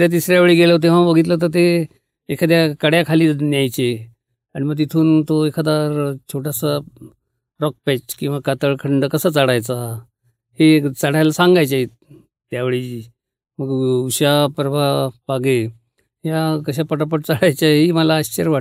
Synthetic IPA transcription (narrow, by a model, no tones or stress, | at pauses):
ɾat̪̬isɾjaʋeɭiːɡeləot̪̬eʋ̤ãbəɡʱiːt̪̬lət̪əɾt̪̬e | ekʰad̪jakəɽjakʰaliːnjajt͡ɕe | aɽ̃iməɡ̚t̪it̪ʰuːnt̪oekʰad̪aɾt͡ɕʰoʈʰasa | ɾɔk̚pɛt͡ɕkĩw̃ʋakat̪əɭkʰəɳɖəkəsəːt͡saɽajt͡sa | het͡saɽ̤ajlasaŋɡajt͡ɕa | t̪jaʋeɭiː | məɡuɕapɾəbapaɡe | ɦjakəɕ̬apəʈãp̬əʈ̚t͡saɽ̤ajt͡ɕaɦiməlaːɕt͡ɕəɾʋa